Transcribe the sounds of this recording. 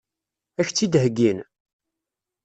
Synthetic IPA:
æçt͡sːid̪ɦəɡːin

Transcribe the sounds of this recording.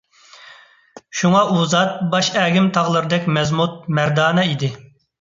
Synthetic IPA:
ʃuŋɑʔuzɑt̪̚bɑʃɛːɡʲɪmt̪ʰɑʁlˠɨɾɨd̪ɛkʲmɛzmut̪̚mæɾd̪ɑːnɛid̪ɪ

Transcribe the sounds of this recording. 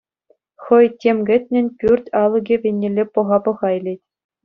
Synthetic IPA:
χɤ̆jtʲemɡʲɘ̆tʲnʲɘ̆nʲpʲyrʲtʲɑlˠɤ̆ɡʲĕʋʲenʲːĕlʲːepɤ̆ʁɑpɤ̆ʁɑjlʲetʲ

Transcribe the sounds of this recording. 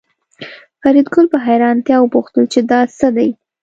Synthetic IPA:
faɾid̪ɡʊlpaɦajɾɑnt̪jɑwəpuxt̪əlt͡ʃed̪ɑsəd̪aj

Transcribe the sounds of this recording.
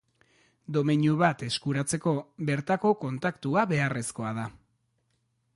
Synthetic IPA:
d̪o̞meɲuβat̪e̞skuɾat͡se̞ko̞βe̞ɾt̪ako̞ko̞nt̪akt̪uaβe̞are̞sko̞að̞a

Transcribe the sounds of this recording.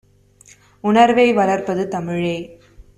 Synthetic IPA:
ʊnɐɾʋɐɪʋɐlɐɾpɐðɯt̪ɐmɪɻɐɪ

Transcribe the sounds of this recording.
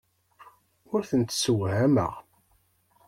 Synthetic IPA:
ʊɾθənt̪səwhæmə̰ʁ

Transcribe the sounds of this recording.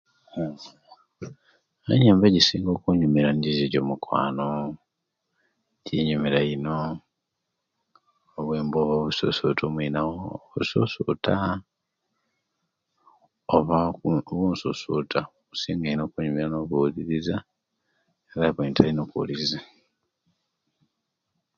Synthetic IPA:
eɲeːmbeɟisiːŋɡo̞ːkuɲumiɾanɟiziɟoːmukwa̰ːno | ɟiɲumeɾaino | βwe̞ːmboːβoβuso̰so̰tʰoːmwinaɣoːβusosutʰa | oβakuβoːnsosutʰa | kusiːŋɡainoːkuɲumiɾanoβuðiɾiza | eɾaβweːntʰainokṵliza

